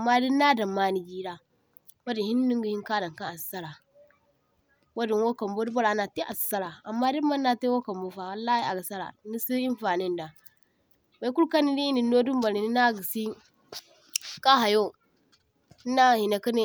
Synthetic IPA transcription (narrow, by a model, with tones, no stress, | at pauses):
a˨mːa˦di˦na˦da˨ma˦ni˨ɡi˦ɾa˨ | wa˦di˨hi˦n˦di˦ŋɡi˦hi˦n˦ka˦da˨ŋ˨ka˦a˨ssa˦ɾa˨ | wa˦di˨nwo˦ka˨mbo˦di˦ba˦la˨na˨ti˦ʔa̰˨ssa˦ɾa˨a˨mːa˦di˦ma˦nːa˨te˦wo˦ka˨mbo˦fa˨wa˨lːa˦hi˦a˨ɡa˨sa˦ɾa̰˨ni˦si˦i˦n˦fa˨ni˦n˨da˨ | ba˨˦ku˦lka˦ni˦li˦i˦ni˨do˦du˦m˦ba˨li˨ni˦na˦˨ɡi˨si˦ | ka˦ɦa˨jo˦ | i˦na˦˨hi˨na˨ki˦ne˦